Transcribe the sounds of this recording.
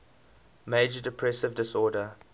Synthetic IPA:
meɪd͡ʒədɛpʰɹɛsɪvdɪsɔːdə

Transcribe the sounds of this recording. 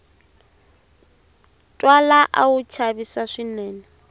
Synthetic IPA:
tʼwalaʔa̰ʊt͡ʃʰabisaʂinɛːnɛ

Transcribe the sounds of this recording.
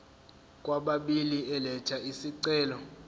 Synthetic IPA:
kʼwaɓaɓiliʔɛlɛt͡ʃʰaisiǀɛːlɔ

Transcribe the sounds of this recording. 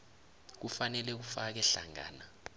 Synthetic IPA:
k̬ufanɛlɛk̬ufak̬ɛɬa̰ŋa̰ːna

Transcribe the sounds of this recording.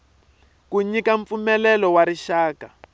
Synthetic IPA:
kuɲikaɱp̪fumɛlɛlɔwaɾiʃaːka

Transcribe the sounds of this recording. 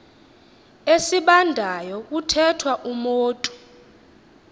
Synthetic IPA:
esiɓandʱajɔk̬utʰɛtʰwaʔumoːtʼu̥

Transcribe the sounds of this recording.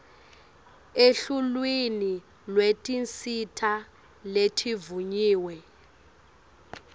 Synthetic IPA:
eɬulwini | lwetʼint͡sitʰa | letʰivuɲiːwɛ

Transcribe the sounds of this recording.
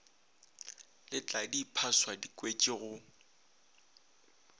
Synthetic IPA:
lɪt͡ɬʼadipʰaswadikʼwet͡ʃʼɪɣʊ

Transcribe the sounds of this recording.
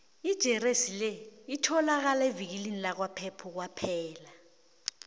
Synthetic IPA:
id̥ʒ̥ʱɛresilɛitʰɔlak̬alaevik̬ilinilak̬wapʰɛpʰuk̬wapʰɛːla

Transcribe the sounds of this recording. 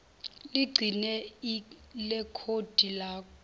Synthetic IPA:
liɡ͡ǀʱinɛilɛkʰod̥ʱilaːk̬ʰʼɔ

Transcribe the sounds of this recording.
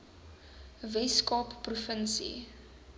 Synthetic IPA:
vɛskɑːpːrufənsḭ

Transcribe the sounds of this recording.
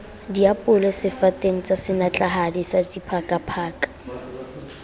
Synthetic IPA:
diapʼʊlɛsɪfatʼeŋ̩t͡sʼasɪnat͡ɬʼaɦadisadipʰakʼapʰaːkʼḁ

